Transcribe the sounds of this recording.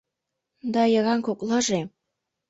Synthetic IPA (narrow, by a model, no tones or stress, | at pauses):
d̪ɑjə̆ɣɑŋkoklɤ̆ʒe